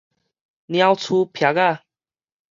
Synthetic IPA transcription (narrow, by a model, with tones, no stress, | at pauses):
njã˧wt͡sʰu˧pʰja˨˦ka˥˨